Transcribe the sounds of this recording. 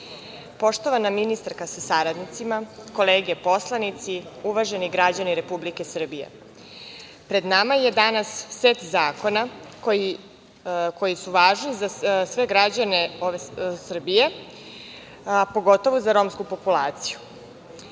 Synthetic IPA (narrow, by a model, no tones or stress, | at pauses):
po̞ʂt̪o̞ʋanaminist̪aɾkasasaɾad̪nit̪simako̞leːɡe̞po̞slˠanit̪siuʋaʒe̞niɡɾad͡ʑaniɾe̞publike̞sr̩bije̞̰ | pɾe̞d̪namaje̞d̪anasːet̪zaːko̞nakoji | kʰo̞jisuʋaːʒnizasʋe̞ɡɾad͡ʑane̞oʋesr̩bije̞ | po̞ɡo̞t̪o̞ʋozaɾo̞ːmskupo̞pulˠaːt̪siju